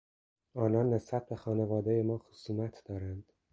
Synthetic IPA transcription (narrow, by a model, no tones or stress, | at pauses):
ɒːnɒːnːe̞sbæt̪̚be̞xɒːnevɒːd̪ejemɒːxosuːmæt̪ʰd̪ɒːɾænd̪̥